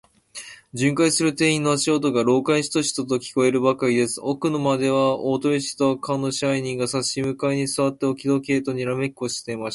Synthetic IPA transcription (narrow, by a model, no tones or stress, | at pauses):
d͡ʑɨ̃ŋkaisɨɾɯ̟t̪e̞ːĩnːo̞aɕiot̪o̞ɡaɾo̞ːkaiɕi̥t̪o̞ɕi̥t̪ot̪okʲi̥ko̞e̞ɾɯ̟bakaɾʲid̪e̞sɨ̥okɯ̟nomad̪e̞βaoːt̪oɾʲiɕi̥t̪okʰãnːo̞ɕiaiɲ̟ĩŋɡasaɕimɯ̟kaiɲ̟isɨβat̪ːe̞okʲid̪o̞ke̞ːt̪o̞ɲ̟iɾame̞kɯoɕi̥t̪e̞imaɕa